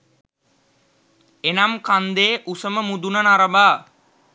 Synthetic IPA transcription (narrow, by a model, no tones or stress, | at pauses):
enamkand̪eːʔusəməmud̪unənaɾəbaː